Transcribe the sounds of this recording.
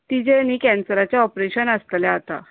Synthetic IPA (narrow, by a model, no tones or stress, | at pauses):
t̪id͡ʑeniːkɛ̃nsəɾat͡ɕjaɔpɾeɕənəst̪ljaːt̪a̰